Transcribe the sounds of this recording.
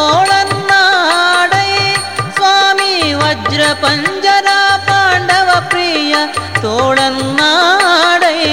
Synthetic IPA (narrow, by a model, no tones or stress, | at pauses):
oːɭɐnnːaːɽɐj | sʋaːmiʋɐd͡ʒɾɐpɐɲd͡ʒɐɾaːpaːɳɖɐʋɐpɾiːjɐt̪oːɭɐnnaːɽɐj